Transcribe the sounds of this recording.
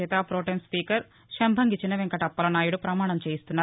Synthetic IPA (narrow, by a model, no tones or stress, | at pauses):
et̪ɐpɾoːʈenspiːkɐɾ | ʃembʱɐŋɡit͡ʃinɐʋeŋkɐʈɐpːɐlɐnaːjuɽupɾɐmaːɳɐmt͡ʃeːjist̪unːaː